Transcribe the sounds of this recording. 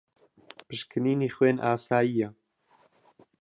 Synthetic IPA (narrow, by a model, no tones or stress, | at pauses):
pɨʃkʰɨniːniːxweːnʔaːsaːjiːjɛ